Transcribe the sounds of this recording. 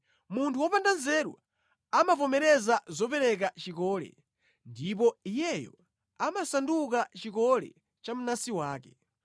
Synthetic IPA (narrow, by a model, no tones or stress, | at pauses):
muntʰuwɔpandanzɛɾwa̰ | amapɔmɛɾɛzazɔpɛɾɛk̬at͡ʃikɔːlɛ̰ | ndip̬ɔijɛjɔ̰ | amasandukat͡ʃikɔlɛ̰ | t͡ʃamunasiwaːkɛ̥